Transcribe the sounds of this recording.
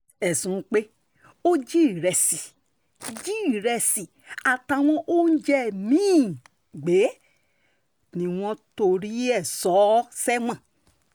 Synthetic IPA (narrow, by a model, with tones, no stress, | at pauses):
ɛ˨sũ˨˧k͡pe˦ | o˦d͡ʒi˦˨ɾɛ˨si˨ | d͡ʒi˦˨ɾɛ˧˨si˨ | a˨ta˧w̃ɔ̃˦ʔo˦n̩˦d͡ʒɛ˦˨mĩː˦˨ | ɡ͡be˨˦ | nĩ˨˧w̃ɔ̃˧to˧ɾi˦ɛ˦˨sɔ˨˦sɛ˦wã˦˨